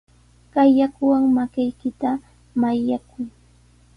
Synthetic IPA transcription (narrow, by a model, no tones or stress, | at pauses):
kajːakʊwaŋmakajkɪt̪a | majakʊj